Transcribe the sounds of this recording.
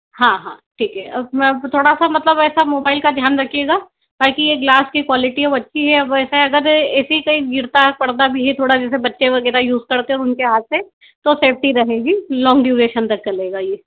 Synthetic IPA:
hãːɦã̰ːʈʰiːkɦɛɐt̪ʰoːɽasamɐt̪ləbɛːsamoːbaːɪlkad̪ʱjaːnɾɐkʰijeːɡaː | taːkijeɡlaːskikwaːlɪʈiɔbɐtːʃʰiɦɛɐbɛːsaɐɡəɾɛːsikɐiɡɪɾt̪apɐɽd̪abʱiɦit̪ʰoːɽad͡ʒɛːsebɐtːʃeʋɐɡɛːɾajuːzkɐɾt̪eɔːɾʊnkeɦaːt̪̚se | t̪oseːp̚ʰʈiɾɐɦeːɡilɔ̃ːŋɡɖjuːɾeːʃənt̪ɐkt͡ʃɐleːɡajeː

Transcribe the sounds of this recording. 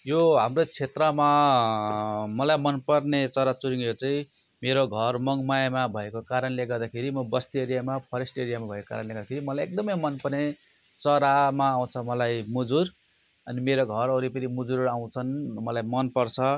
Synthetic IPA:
joɦamrot͡sʰet̪rʌma | mʌlajmʌnpʌrnet͡sʌɾat͡suɾiŋet͡saĩ | meɾoɡʱʌrmʌŋmajmabʱʌekokaɾʌnleɡʌrd̪akʰeɾimʌbʌst̪ieɾijamapʰʌɾesʈeɾijamabʱʌeko̥ka̰ɾʌnleɡʌrd̪akʰeɾimʌlajek̚d̪ʌmʌjmʌnpʌrne | t͡sʌɾamaːw̃t͡sʰʌmʌlajmud͡zur | ʌnimeɾoɡʱʌɾʌɾipʌnimud͡zuɾaw̃t͡sʰʌnmʌlajmʌnpʌrt͡sʰʌ

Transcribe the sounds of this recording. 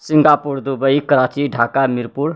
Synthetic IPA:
siŋɡapuɾd̪ubəikəɾat͡ʃiɖʱakamiɾpuɾ

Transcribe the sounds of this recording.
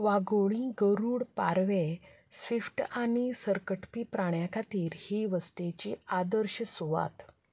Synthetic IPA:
ʋaɡoɭĩɡəɾuːɽpaɾʋe | sʋifʈañisəɾkəʈpipɾaɳjakʰat̪iːɾhiʋəst̪et͡ɕiːad̪əɾɕəsuʋa̰t̪

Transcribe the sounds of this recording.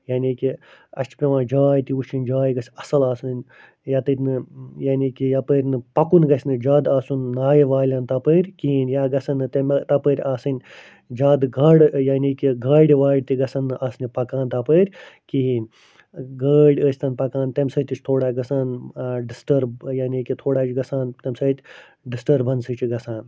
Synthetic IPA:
jaːnʲiːkiɐ̰st͡ʃʰpʲɾʲɐʋãːnd͡ʒaːjt̪iuʃinʲd͡ʒaːjɡɐsʲɐsɐlaːsɨn | jat̪ɨɾʲnɨjaːniːkijapəːɾʲnɨpɐkunɡɐsʲnɨd͡ʒaːd̪aːsunːaːjiʋaːlʲɐnt̪ɐpəːɾʲkiinʲjaːɡɐsɐnːɨt̪ɐmɐt̪ɐpəːɾʲaːsɨnʲ | d͡ʒaːd̪ɡɐɽjaːniːkiɡaːɽʲiʋaːɽʲt̪iɡɐsɐnːɨʔasnʲipɐkaːnt̪ɐpəːɾʲkinʲ | ɡaːɽʲəːsʲt̪ɐnpɐkaːnt̪ɐmʲsɐːt̪it͡ʃʰt̪ʰoːɽaːɡɐsaːnɖisʈɐɾbjaːnikit̪ʰoːɽaːt͡ʃɡɐsaːnt̪ɐmʲsɐːt̪ʲ | ɖisʈɐɾbɐnsɨt͡ʃiɡɐsaːn

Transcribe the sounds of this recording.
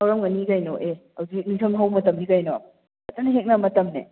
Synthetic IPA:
ɐwɾɐmŋɐniɡajnɔʔehɐwzinitʰɐmɦawmɐtɐmiɡajnɔ | ɐtɐnɐɦek̚namɐtɐmnḛ

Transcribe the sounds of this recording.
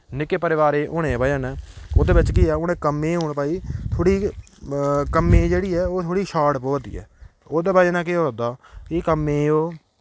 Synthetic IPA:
nɪkeːpəɾɪʋaːɾeːʔoːɽ̃ẽːbaːjaːnɛ̃ːoːd̪eːbɪt͡ʃkɪɛːʊnẽːkəmːẽːɦoːɳpaːiːt̪ʰoːɽiː | kəmːeːd͡ʒeːɽiːɛːoːt̪ʰoːɽiːʃaːɽpoːt̪ḭːɛ̰ː | oːd̪eːbaːeːnãːk̬ɪoːɾəd̪aːkikəmːẽːoː

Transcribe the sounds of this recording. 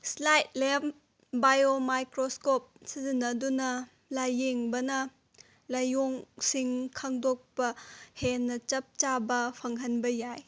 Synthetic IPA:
slajt̚lep | bajomajkɾoskop̚sizinːɐdunɐ | lajeŋbɐnɐ | lɐjoŋsiŋkʰɐŋdok̚pɐhenːɐt͡ʃɐp̚t͡ʃabɐpʰɐŋɦɐnbɐjaj

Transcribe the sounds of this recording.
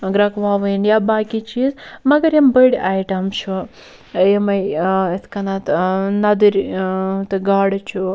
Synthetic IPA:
ɡɾɐkʋaːʋɐjnjabaːkit͡ʃiːzmɐɡɐɾjɐmbəɽaːjʈamʃu | jɐmɐjɐt̪ʰkɐnat̪nɐd̪ɨɾʲt̪ɨɡaːɽt͡ʃʰu

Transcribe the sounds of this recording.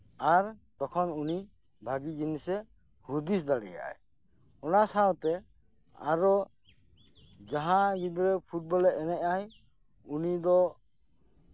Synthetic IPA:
aɾt̪ɔkʰɔnuni | bʱaɡid͡ʒinisɛ | hud̪is̬d̪aɽɛja̰ʔj | ɔnasawt̪ɛ | a̰ɾɔ | d͡ʒaɦãɡibɾɛpʰuʈ̚bɔlɛɛnɛʔaj | unid̪ɔ

